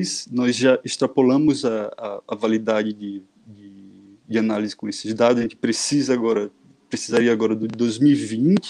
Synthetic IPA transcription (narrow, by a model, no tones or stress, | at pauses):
snɔzʒaɪst̪ɾapolɐ̃mʊzɐːvalid̪ad͡ʒɪd͡ʒɪ | d͡ʒɪ | d͡ʒɪanalizɪkõesɪzd̪ad̪ʊzɐʒẽt͡ʃ̪ɪ̥pɾesizɐaɡɔɾɐ | pɾesizaɾiɐaɡɔɾɐd̪ʊd̪ojzmiwivĩnt͡ʃɪ